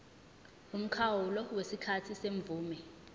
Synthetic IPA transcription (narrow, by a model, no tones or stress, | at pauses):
um̩kʰawulɔwesikʰatʰiseɱb̪vuːmɛ